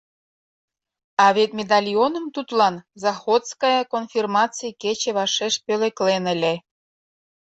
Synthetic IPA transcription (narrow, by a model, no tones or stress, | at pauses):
ɑβet̪mʲed̪ɑlʲionə̆mt̪ut̪lɑnzɑxot̪skɑjɑkonfʲirmɑt͡sɨjeket͡ɕĕβɑʃeʃpølĕklenə̆lʲĕ